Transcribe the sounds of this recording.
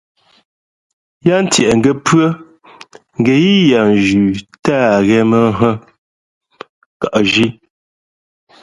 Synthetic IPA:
ja˦n̩˦tjɛ˨ʔŋ̩˨ɡɛ˨pɰə˦ | ŋ̩˨ɡe˨ji˦ja˨n˨d͡ʒʉ˨ta˦˨ɣɛ˦mə˦ɦə˦ | ka˨ʔʒi˦

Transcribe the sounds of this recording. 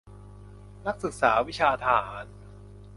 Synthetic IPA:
na˦˥k̚sɯ˨˩k̚saː˩˦wi˦˥t͡ɕʰaː˧t̪ʰa˧ɦaː˩˦n

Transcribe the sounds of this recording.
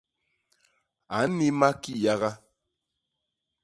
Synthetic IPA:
a˨˦n̩˦ni˦ma˦ki˦˨ja˦ɣa˦

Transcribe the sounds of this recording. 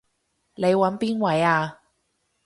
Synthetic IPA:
le˨˧jwɐ˨˥npiː˥nwɐ˨˥jaː˧

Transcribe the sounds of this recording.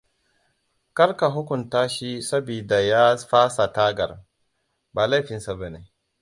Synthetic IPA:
kɐ˦ɾka˨ɦʊ˦kʷʊ˨ntaː˦ʃi˦sɐ˦biː˨da˨ja˦ɸaː˦sa˨taː˦ɡɐ̰˨r | baː˨la˦jɸɪ˨nsa˨ba˦neː˦

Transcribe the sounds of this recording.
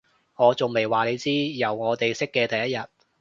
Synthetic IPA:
ŋɔː˨˧t͡so˨ŋme˨jwaː˨le˨˧jt͡siː˥jɐ˨˩wŋɔː˨˧t̪e˨jsɪ˥kːɛː˧t̪ɐ˨jɐ˥t̚jɐ˨t̚

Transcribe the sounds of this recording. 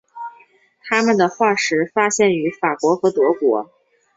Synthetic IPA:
t̪ʰa˥mə˨nd̪ə˩xwa˥˩ʂɻ̩˧˥fa˥ɕjɛ˥˩ny˧˥fa˨˩kwɔ˧˥xɤ˧˥t̪wɔ˧˥kwɔ˧˥

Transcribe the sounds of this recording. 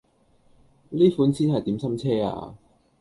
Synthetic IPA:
liː˥fuː˨˥nsiː˥nhɐ˨jt̪i˨˥msɐ˥mt͡sʰɛː˥a̰ː˧

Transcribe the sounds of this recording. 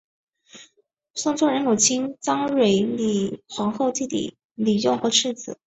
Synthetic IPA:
sʊ˥˧ŋt͡sʰwɔ˥˩ɻə˧˥nku˨˩t͡ɕʰi˥ŋt͡sɑ˥ŋɻwe˨˧˩ɪli˨˩xwɑ˧˥ŋxo˥˧ʊt̪i˥˧t̪ḭ˥˩ | li˨˩jʊ˥˩ʊxɤ˧˥ʈ͡ʂʰɻ̩˥˩t͡sɹ̩˨˩˦

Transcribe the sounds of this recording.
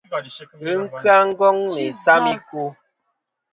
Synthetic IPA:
ɨ˦ŋ̩˦kɰa˦ŋ̩˦ɡɔ˦ŋne˨sa˦mi˦ku˦

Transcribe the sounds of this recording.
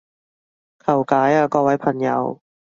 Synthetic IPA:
kʰa˨˩wkaː˨˦jʔaː˧˩kɔː˧˩wa˦˥jpʰa˧nja̰˧w

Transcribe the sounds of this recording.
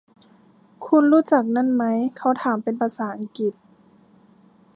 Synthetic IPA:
kʰu˧˥nɾuː˦˥t͡ɕa˨˩k̚na˧˥˨nma˦˥jkʰa˦˧˥wt̪ʰaː˨˦mpe˨npʰa˧saː˩˦ʔa˨˧ŋki˨˩t̪̚

